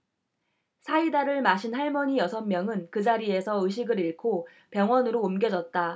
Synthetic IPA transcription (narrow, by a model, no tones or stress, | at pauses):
sʰaidaɾɯɭmaɕʰinhaɭmʌɲijʌsʰʌmmːjʌŋɯnkɯd͡ʑaɾie̞sʰʌɯɕ̬ʰiɡɯɾiɭkʰo | pjʌŋwʌnɯɾoːmɡjʌd͡ʑʌt̚t͈a